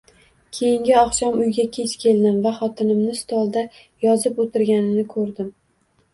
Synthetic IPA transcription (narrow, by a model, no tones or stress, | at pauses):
kʲʰe̞jɪŋɡʲɪɒχʃɒmʊjɡʲakʲʰe̞t͡ʃkʲʰe̞lˠd̪ɪmvaχɒt̪ʰɪnɪmnɪst̪ʰɒlˠd̪a | jɒzɪpot̪ʰɪɾɡʲanɪnɪkʰɵɾd̪ɪm